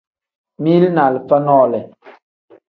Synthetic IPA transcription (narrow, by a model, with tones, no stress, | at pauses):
mi˦lna˨li˨p͡fa˦nɔ˦˨lɛ˨